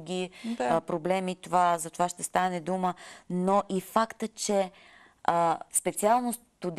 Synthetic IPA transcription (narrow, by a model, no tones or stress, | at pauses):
ɡʲiapɾoblɛmit̪ovazɐt̪ovaʃt̪ɛst̪anɛd̪umənoʔifakt̪ət͡ʃɛ | əspɛt̪sialˠnos | t̪ud̪